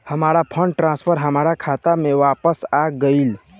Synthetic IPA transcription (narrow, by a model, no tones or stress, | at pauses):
həmaːɾapʰə̃ɳɖʈɾãnspʰəɾɦəmaːɾakʰat̪amẽʋaːpəsaɡəil